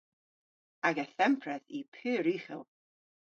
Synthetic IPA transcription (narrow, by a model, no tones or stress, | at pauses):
aɡɛθɛmpʰrɛðipʰɨːɾiχɛ̰lˠ